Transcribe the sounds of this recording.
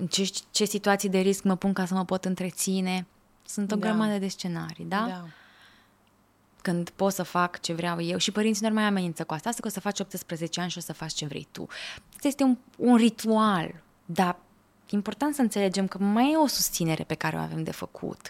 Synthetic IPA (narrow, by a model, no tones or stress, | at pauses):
ɨnt͡ʃet͡ʃe̞sit̪uat̪sijd̪e̞ɾiskməpuŋkasəməpo̞t̪ɨnt̪ɾe̞t̪sine̞ | sunt̪o̞ɡɾəmad̪əd̪e̞st͡ʃe̞naɾḭd̪a | kɨnd̪po̞t̪səfakt͡ʃe̞vɾʲeawje̞wʃipəɾint̪sino̞rmajame̞nint̪səkuast̪aast̪akosəfat͡ʃo̞p̚t̪ɨspɾəze̞t͡ʃeanʃio̞səfat͡ʃt͡ʃe̞vɾḛjt̪ṵot̪je̞st̪eu | unrit̪ual | d̪a | impo̞rt̪ant̪səɨnse̞le̞d͡ʒe̞mkəmajeo̞sust̪sine̞ɾepe̞kaɾe̞o̰a̰ve̞md̪e̞̰fəkʰṵt̪